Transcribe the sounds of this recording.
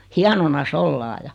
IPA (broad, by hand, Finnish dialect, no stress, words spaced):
hiɑnonɑs olːɑː jɑ